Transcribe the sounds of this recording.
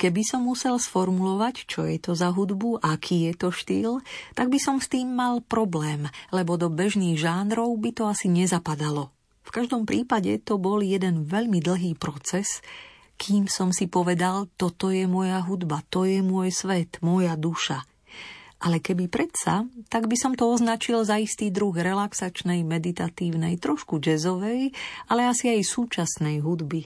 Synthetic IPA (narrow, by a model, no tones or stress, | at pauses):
kɛbisɔmːusɛlsfɔɾmulɔʋact͡ʃɔjɛt̪ɔzaɦud̪buʔakʰiːjɛt̪ɔʃt̪iːlt̪aɡ̚bisɔmst̪iːmːalpɾɔblɛːmlɛbɔd̪ɔbɛʒniːɣʒaːnɾɔʊbit̪ɔasiɲɛzapad̪alɔ | fkaʒd̪ɔmpɾiːpaɟɛt̪ɔbɔljɛd̪ɛnʋɛʎmid̪l̩ɦiːpɾɔt͡sɛs | kʰiːmsɔmsipɔʋɛd̪alt̪ɔt̪ɔjɛmɔjaɦud̪bat̪ɔjɛmʊɔjsʋɛt̪mɔjad̪uʃa | ʔalɛkɛbipɾɛt̪sa̰t̪aɡbisɔmt̪ɔɔznat͡ʃilzaist̪iːd̪ɾuɣɾɛlaksat͡ʃnɛjmɛd̪it̪at̪iːʊnɛjt̪ɾɔʃkud͡ʒɛzɔʋɛjalɛasiajsuːt͡ʃasnɛjɦud̪bi